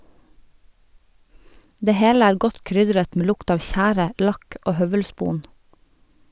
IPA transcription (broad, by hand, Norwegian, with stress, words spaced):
ˈdeː ˈheːl ˈæːɾ ˈɡɔt ˈkɾʏdɾət ˈmeː ˈlʊkt ˈɑːʋ ˈçæːɾə ˈlɑk ˈoː ˈhœʋəlˌspuːn